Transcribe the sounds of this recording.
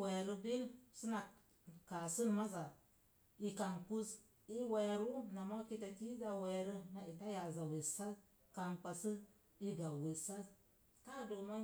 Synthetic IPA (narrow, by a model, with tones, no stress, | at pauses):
we˨ɾə˦bi˦lsi˦na˨ | ka˨sɨ˦nma˦za˨ | i˨ka˨ŋku˦z | i˦we˨jɾu˦na˨ma˦ki˦ta˨ki˦ɡa˨we˨ɾə˦na˨i˨ta˦ja˨za˨we˨sa˦ | ka˨nk͡pa˨sɨ˦ | i˦ɡa˨we˨sa˦ | ka˦˨do˨ma˦